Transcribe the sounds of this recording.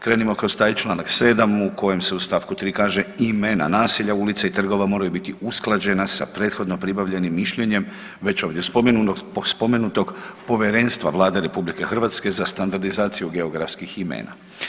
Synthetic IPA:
kɾeːnimo̞kɾo̞st̪aːjit͡ʃlˠaːnakse̞ːd̪amuko̞je̞mse̞ust̪aːʋkut̪ɾiːkaːʒe̞imena̰naːsiʎaulit̪sait̪r̩ɡo̞ʋamo̞ɾajubit̪iusklˠad͡ʑe̞nasa̰pɾe̞ːt̪xo̞d̪no̞pɾibaʋʎe̞nimːiʃʎe̞ɲe̞m | ʋe̞t͡ɕo̞ːʋd̪jespomespo̞me̞nut̪oɡpo̞ʋjeɾe̞ːnst̪ʋa̰ʋlˠaːd̪e̞ɾe̞publike̞xr̩ʋat̪ske̞zast̪and̪aɾd̪izaːt̪sijuɡe̞oɡɾa̰fskiximḛːna̰

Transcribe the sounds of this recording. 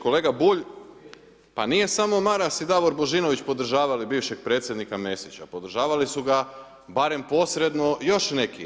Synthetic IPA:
ko̞le̞ːɡabuʎ | panije̞samo̞maɾasid̪aʋoɾbo̞ʒino̞ʋit͡ɕpo̞d̪r̩ʒaːʋalibiːʋʃe̞ɡ̚pɾe̞ːt̪sje̞d̪nikame̞sit͡ɕa̰po̞d̪ɾ̩ʒaːʋalisuɡa | baɾe̞mpo̞sɾe̞d̪no̞jo̞ʃne̞ki

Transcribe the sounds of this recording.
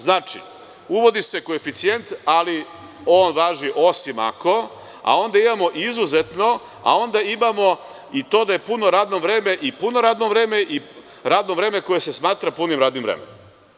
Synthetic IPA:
znaːt͡ʂḭ | uʋo̞d̪ise̞koefit̪sije̞nt̪ali | o̞ːnʋaːʒiʔo̞sima̰ko̞ | a̰o̞nd̪aimamo̞ʔizuzet̪no̞ | a̰o̞nd̪aimamo̞ | it̪o̞ːd̪ajepuno̞ɾaːd̪novɾeːmeʔipuno̞ɾaːd̪novɾe̞ːmeʔi | ɾaːd̪no̞vɾe̞ːme̞ko̞jese̞smaːt̪ɾapunimɾaːd̪nimvɾḛmḛnomm

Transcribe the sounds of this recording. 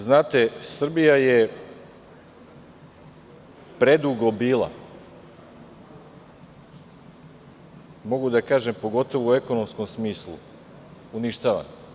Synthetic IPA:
znaːt̪e̞sr̩bijaje | pɾe̞d̪uɡobiːlˠa̰ | mo̞ɡud̪akaːʒempo̞ɡo̞t̪o̞ʋuue̞ko̞no̞msko̞msmiːslˠṵ | uniʃt̪aːʋa̰n

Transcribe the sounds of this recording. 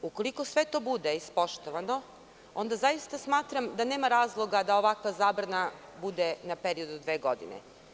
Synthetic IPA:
uko̞liko̞sʋe̞t̪o̞ːbud̪eispo̞ʃt̪oʋano̞ | o̞nd̪azajist̪asmaːt̪ɾamd̪ane̞ːmaɾaːzlˠo̞ɡad̪aoʋakʋazaːbɾana | bud̪enapeɾio̞d̪ud̪ʋe̞ːɡo̞d̪ḭnḛ

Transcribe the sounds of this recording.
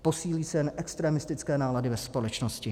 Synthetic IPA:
po̞siːliːsɛjɛnʔɛkst̪ɾɛmɪst̪ɪt͡skɛːnaːladɪvɛspo̞lɛt͡ʃnoscɪ

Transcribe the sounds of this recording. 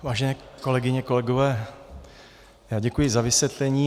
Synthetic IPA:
vaːʒɛnɛːko̞lɛɡɪɲɛko̞lɛɡovɛː | jaːɟɛkujɪzavɪsvjɛt̪lɛɲiː

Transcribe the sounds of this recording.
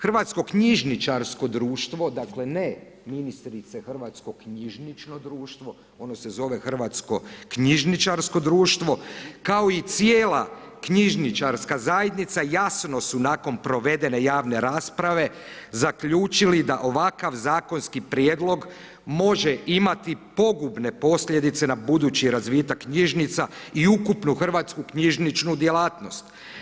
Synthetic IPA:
xrʋat̪sko̞kɲiʒnit͡ʃaɾsko̞d̪ɾuːʃt̪ʋo̞d̪akle̞ne | minist̪ɾit̪sexr̩ʋaːt̪sko̞kɲiʒnit͡ʃno̞d̪ɾuːʃt̪ʋo̞ | o̞no̞se̞zo̞ʋe̞xr̩ʋat̪sko̞kɲiʒnit͡ʃaɾsko̞d̪ɾuːʃt̪ʋo̞kaoit̪sijeːla | kɲiʒnit͡ʃaɾskazajed̪nit̪sajasno̞sunaːko̞npɾo̞ʋe̞d̪e̞ne̞jaːʋne̞ɾaːspɾaʋe̞ | zakʎuːt͡ʃilid̪aʔo̞ʋakaʋzaːko̞nskipɾjeːd̪lˠo̞ɡ | mo̞ʒeʔimat̪ipo̞ɡubne̞po̞sʎʲje̞d̪it̪se̞nabud̪uːt͡ɕiɾazʋiːt̪akːɲiʒnit̪saiukupnuxr̩ʋaːt̪skukɲiʒnit͡ʃnud̪je̞laːt̪no̞st̪

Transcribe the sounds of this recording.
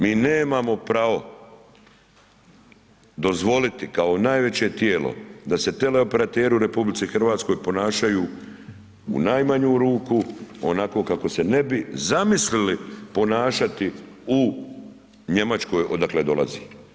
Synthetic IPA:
miːneːmaːmo̞pɾaʋo̞ | d̪o̞zʋo̞lit̪ikao̞naːjʋe̞t͡ɕe̞t̪jeːlo̞̰d̪ase̞t̪e̞le̞o̞pe̞ɾat̪eːɾiuɾe̞publitsixr̩ʋaːt̪sko̞jpo̞naːʃajuː | ṵnajmaɲuːɾuːkuo̞nako̞ːkako̞se̞ne̞bizamislilipo̞naːʃat̪iu | ɲe̞mat͡ʃko̞jʔo̞d̪akle̞d̪o̞̰lˠa̰zḭː

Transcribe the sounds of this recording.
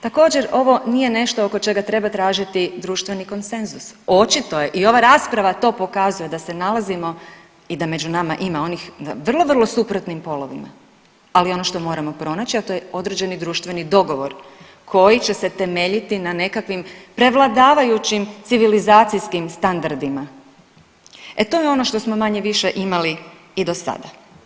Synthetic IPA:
t̪ako̞ːd͡ʑe̞ɾo̞ʋo̞nije̞ne̞ʃt̪o̞oko̞t͡ʃe̞ɡat̪ɾe̞bat̪ɾaːʒit̪id̪ɾuːʃt̪ʋe̞niko̞nse̞nzuso̞t͡ʃit̪o̞je̞ʔio̞ʋaɾaspɾaʋat̪o̞ːpo̞kazuje̞d̪ase̞nalˠazimo̞ | id̪ame̞d͡ʒunamaʔimao̞nixʋr̩lˠo̞ʋr̩lˠo̞supɾot̪nimpo̞lo̞ʋḭma̰ | alio̞no̞ʃt̪o̞mo̞ːɾamo̞pɾo̞nat͡ɕiat̪o̞jeo̞d̪ɾe̞d͡ʑe̞nid̪ɾuːʃt̪ʋe̞nid̪o̞ɡo̞ʋo̞ɾ | kʰo̞jit͡ɕe̞se̞t̪e̞me̞ʎit̪inane̞kakʋimpɾe̞ʋlˠad̪aːʋajut͡ɕimt̪siʋilizaːt̪sijskimst̪and̪aɾd̪ima | et̪o̞jeo̞no̞ʃt̪o̞smo̞maɲeʋiʃe̞ʔimali | id̪o̞sa̰d̪a

